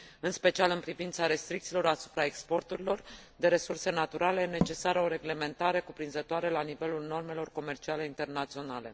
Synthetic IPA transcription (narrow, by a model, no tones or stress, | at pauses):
ɨnspe̞t͡ʃialɨnpɾivint̪saɾe̞st̪ɾikt̪silo̞ɾasu̥pɾaekspo̞rt̪uɾilo̞rd̪e̞ɾe̞surse̞nat̪uɾale̞ne̞t͡ʃe̞saɾəo̞ɾe̞ɡle̞ment̪aɾe̞kupɾinzət̪oaɾelanive̞lulno̞rme̞lo̞rko̞me̞rt͡ʃiale̞int̪e̞rnat̪sio̞nale̞